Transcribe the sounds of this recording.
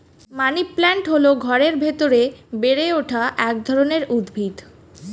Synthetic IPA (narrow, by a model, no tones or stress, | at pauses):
maniplɛɳʈɦoloɡʱɔɾeɾbʱet̪oɾebeɾeoʈʰaʔɛk̚d̪ʱɔɾoneɾud̪bʱid̪